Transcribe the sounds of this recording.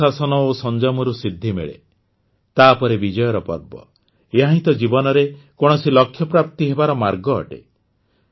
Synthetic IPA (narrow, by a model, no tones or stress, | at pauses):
asɔnɔosɔnd͡ʒɔmɔɾusid̪ʱːimḛɭḛ | t̪aːpɔɾebid͡ʒɔjɔɾɔpɔ̰ɾbɔ̰ | eɦaɦĩt̪ɔd͡ʒibɔnɔɾekɔɽ̃ɔsilɔkʰːjɔpɾap̚t̪iɦebaɾɔmaɾɡɔ̰ːʈḛ